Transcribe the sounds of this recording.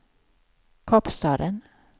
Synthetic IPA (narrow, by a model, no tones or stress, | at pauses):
kʰɔpst̪ɑːɾən